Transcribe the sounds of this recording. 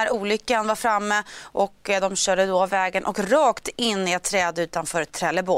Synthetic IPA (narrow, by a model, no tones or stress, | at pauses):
æɾuːlʏkːanvaɾfɾamːəʔɔkːd̪ɔmɕœːɖəd̪oavːɛːɡənʔɔkɾɑːkt̪ɪnːɪɛt̪ʰːɾɛːd̪ʉ̟ːt̪anfœːɾɛt̪ʰːɾɛːlːəbo